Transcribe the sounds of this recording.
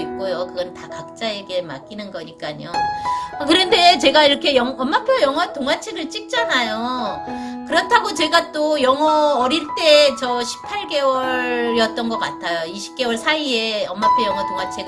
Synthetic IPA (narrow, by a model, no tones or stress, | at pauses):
ik̚k͈ojokɯɡʌntakak̚t͡ɕ͈aeɡe̞ma̰k͈inɯnɡʌɲik͈aɲo̰akɯɾʌnde̞t͡ɕe̞ɡaiɾʌkʰe̞jʌŋʌmːapʰjojʌŋʌtoŋat͡ɕʰeɡɯɭt͡ɕ͈ik̚t͡ɕ͈anajo | kɯɾʌtʰaɡot͡ɕe̞ɡat͈ojʌŋʌʌɾiɭt͈e̞t͡ɕʌɕʰi̥pʰːaɭɡe̞wʌɾɾjʌt̚t͈ʌnɡʌk͈atʰajoiɕʰi̥p̚k͈e̞wʌɭsʰaie̞ʌmːapʰojʌŋʌtoŋat͡ɕʰeɡ